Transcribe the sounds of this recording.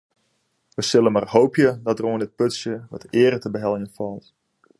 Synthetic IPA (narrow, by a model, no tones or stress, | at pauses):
ʋəsɪlˠənmarhowpʰjədɔt̚dəroəndɪt̚pøtsjəʋɔ̰tɪəɾətəbəɦɛlˠjənfɔlˠt